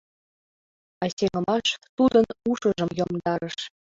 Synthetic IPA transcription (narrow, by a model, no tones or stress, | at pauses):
ɑsʲeŋə̆mɑʃt̪ud̪ɤnuʃə̆ʒə̆mjomd̪ɑɾɤ̆ʃ